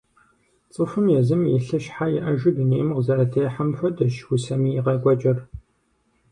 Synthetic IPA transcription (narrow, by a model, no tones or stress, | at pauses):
t͡sʼɨfɨmjɛzɨmjɛɬɐʃħajɛʔɐʒɪdɨniːʔɪmqzɐrɐtʰejħamfɐdɐʃwʊsɐmiːjːqɐɡʷʼɔt͡ʃʼɪr